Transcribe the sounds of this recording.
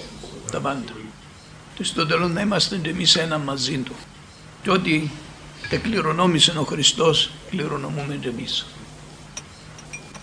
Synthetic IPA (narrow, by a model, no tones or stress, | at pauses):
t̪ɐpɐnd̪ɐ | cest̪od̪elonnɐimɐst̪enɟe̞mise̞nɐmːɐzint̪u | ceo̞t̪i | t̪ekliɾo̞no̞miseno̞xɾist̪o̞skliɾo̞no̞mume̞nɟemis